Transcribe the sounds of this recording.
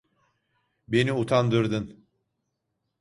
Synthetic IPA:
be̞niut̪ʰand̪ɯɾd̪ɯn

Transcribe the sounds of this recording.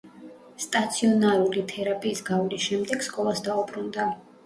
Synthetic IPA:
st̪ʼat̪sʰiɔnaɾulit̪ʰɛɾapʼiːsɡavlisʃɛmd̪ɛɡ̥skʼɔlˠasd̪aubɾund̪a

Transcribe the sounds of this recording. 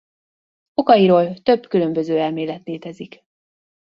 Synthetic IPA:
o̞kɒjiɾoːlt̪ø̞bkylø̞mbø̞zøːɛlmeːlɛt̪neːt̪ɛzik

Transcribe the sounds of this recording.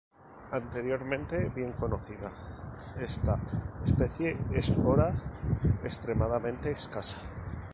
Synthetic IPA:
ant̪e̞ɾjo̞ɾmẽnt̪e̞βje̞ŋko̞no̞θiðae̞st̪aespe̞θje̞espo̞ɾa | est̪ɾe̞mað̞amẽ̞nt̪e̞ːskasḁ

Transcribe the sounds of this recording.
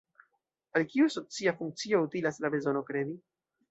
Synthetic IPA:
alkiusot͡siafuŋk̚t͡sio̞utilaslabe̞zo̞no̞kɾe̞di

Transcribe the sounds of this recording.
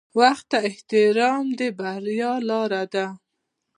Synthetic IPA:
waxt̪ːaɪht̪ɪɾɑmd̪ebahɾjɑlɑɾad̪a

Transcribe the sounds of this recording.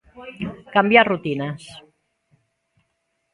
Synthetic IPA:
kambjarut̪inəs

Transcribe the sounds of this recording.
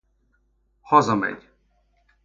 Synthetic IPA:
hɒzɒmɛ̰ɟ

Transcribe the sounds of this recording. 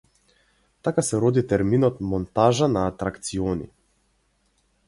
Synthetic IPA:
t̪akasɛɾɔd̪it̪ɛɾminɔt̪mɔnt̪aʒanaːt̪ɾakt̪siɔnḭ

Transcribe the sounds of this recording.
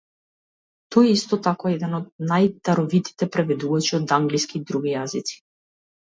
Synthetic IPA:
t̪ɔjɛist̪ɔt̪akɔɛd̪ɛnɔd̪̚najt̪aɾɔvit̪i̥t̪ɛpɾɛvɛd̪uvat͡ʃiɔd̪aŋɡliskid̪ɾuɡijazit̪si̥

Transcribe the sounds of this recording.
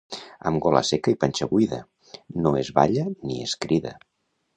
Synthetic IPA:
ə̰mɡɔlə̰sekəipənʲt͡ʃəβujðə | noezβa̰ʎənieskɾiðə̰

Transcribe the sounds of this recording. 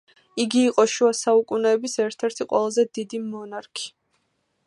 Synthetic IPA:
iɡiːqʼɔʃuasaukʼunɛːbisɛɾt̪ʰɛɾt̪ʰiqʼwɛ̰lˠazɛd̪id̪imɔnaɾkʰi̥

